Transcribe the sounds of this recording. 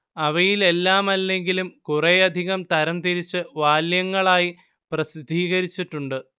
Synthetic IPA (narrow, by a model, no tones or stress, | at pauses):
ɐʋɐjile̞lːaːmɐlːe̞ŋɡilumkurejɐd̪ʱiɣɐmt̪ɐɾɐmt̪iɾit͡ɕːɨʋaːljɐŋːɐɭaːji | prɐsid̪ʱːiːɣɐɾit͡ɕːiʈːuɳɖɨ